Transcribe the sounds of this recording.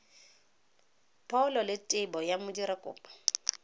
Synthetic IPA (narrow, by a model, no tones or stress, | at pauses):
pʰʼaʊlɔlɪtʼɪbɔjamʊdiɾakʼʊ̰ːpʼɔ̥